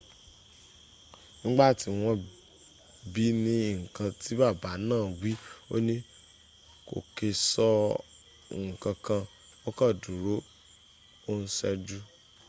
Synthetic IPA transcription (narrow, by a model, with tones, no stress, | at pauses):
nĩ˦ɡ͡ba˦˨ti˨˦w̃ɔ̃˧ | bi˦nĩ˧˦ŋ̩˨kã˧ti˨˦ba˦˨ba˨˦nãː˦˨wi˦o˦nĩ˦ | ko̰˨ke˧sɔ˧˨ | ŋ̩˨kã˧kã˧ | ɔ˦ka˦˨du˨ɾo˨˦ | o˦n̩˦sɛ˦˧d͡ʒu˦